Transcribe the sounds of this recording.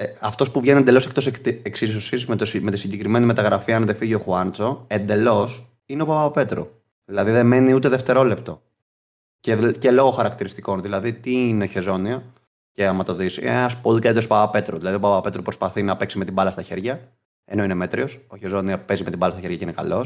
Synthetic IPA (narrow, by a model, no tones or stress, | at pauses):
eɐft̪o̞spuvʝeniend̪e̞lo̞sek̚t̪o̞sk̪eksisisosizmet̪osimet̪isiɲɟekɾime̞nime̞t̪ɐɣɾɐfiɐnðe̞fiʝio̞xuɐnt͡so̞e̞nd̪e̞lo̞s | ineo̞pɐvɐpe̞t̪ɾo̰ | ðilɐðiðe̞me̞niut̪e̞ðeft̪e̞ɾo̞le̞pt̪o̞ | cece̞lo̞ɣo̞xɐɾɐkt̪iɾist̪iko̞nðilɐðit̪iineçe̞zo̞niɐ | ce̞ɐmɐt̪o̞ðisḭeɐspoðikɐt̪it̪ospɐvɐpe̞t̪ɾoðilɐðio̞pɐvɐope̞t̪ɾopɾo̞spɐθinɐpe̞ksimet̪ibɐlɐst̪ɐçe̞ɾʝɐ | e̞no̞ineme̞t̪ɾio̞soçe̞zo̞niɐpe̞zimet̪imbɐlɐst̪ɐçeɾʝɐceinekɐ̰lo̞s